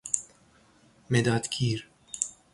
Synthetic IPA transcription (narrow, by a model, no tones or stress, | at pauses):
mɛd̪ɐːt̪kʰiːɾ